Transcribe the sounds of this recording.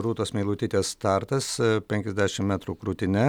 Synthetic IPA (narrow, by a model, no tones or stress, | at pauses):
ɾuːt̪oːsmʲɛɪlˠuːt̪ʲiːt̪ʲeːst̪ɑɾt̪ɐspʲɛŋkʲɛzʲd̪ʲæːʃʲɪmmʲæːt̪ɾuːkɾuːt̪ʲɪnʲɛ